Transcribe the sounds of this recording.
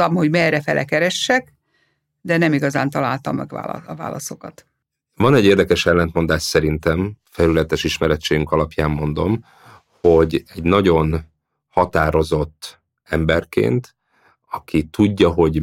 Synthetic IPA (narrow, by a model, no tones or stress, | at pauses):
ɒmho̞ɟmɛrɛfɛlʔɛ̰kɛɾɛʃːɛk | d̪ɛnɛmiɡɒzaːnt̪ɒlaːlt̪ɒmːɛ̰ɡa̰ːɒva̰ːlɒso̞kɒt̪ | vɒnɛɟːeːrd̪ɛkɛʃɛlːɛnt̪mo̞nd̪aːʃsɛɾint̪ɛmfɛlylɛt̪ɛʃiʃmɛɾɛt͡ʃːeːjyŋkɒlɒpjaːmːo̞nd̪o̞m | ho̞ɟɛɟnɒɟo̞n | hɒt̪aːɾo̞zo̞t̪ː | ɛmbɛrkḛːnt̪ | ɒkʰit̪uɟːɒɦo̞ɟ